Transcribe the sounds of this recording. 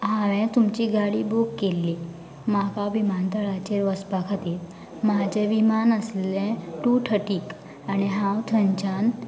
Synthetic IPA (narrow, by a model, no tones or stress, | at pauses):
ɦaʋɛ̃t̪umt͡ɕiːɡaɽibukːelːi | makabimant̪əɾat͡ɕeɾʋəspakʰat̪it̪ | mad͡ʑɛʋimanəsllɛ̃ʈuʈʰəʈiːk | añiɦãwt̪ʰəɲt͡ɕan